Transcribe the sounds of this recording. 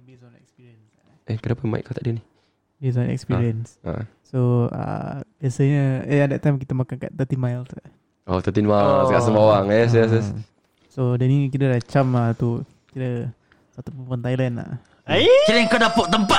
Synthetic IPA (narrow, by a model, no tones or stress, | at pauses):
bisɔ̃nɛ̰kspiɾiəns | ɛkənapama̰ḭʔkat̪aʔdəni | bis̬ɔ̃nɛ̰kspiɾiənsa̰ | soə̰bjasəɲəɛadɛt̪̚ːajmk̬it̪əmakanka̰ʔt̪ət̪imajlsaʔ | ot̪ət̪imalskaʔsəmbawaŋɛs̬jas̬ə | sodənikidədat͡ʃamat̪u | kiɾə | sat̪upunpɔnt̪ajlɛna̰ | kiɾikadapʊʔt̪əmpa